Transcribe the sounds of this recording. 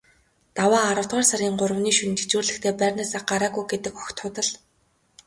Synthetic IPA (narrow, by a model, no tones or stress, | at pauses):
t̪awaːaɾə̆w̥t̪ʁaːrsaɾʲiːŋɢʊrə̆wniːʃun̆t̪ʰe̥t͡ɕuːrɮɘ̆xt̪ʰeːpærʲnaːsaːχɢaɾaːɣujɡet̪ɘ̆kɔkʲt̪ʰːʊt̪ə̆ɮ